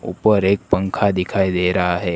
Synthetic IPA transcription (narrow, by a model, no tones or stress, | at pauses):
ṵpəɾek̚pəŋkʰad̪ikʰajd̪eɾaɦaɦe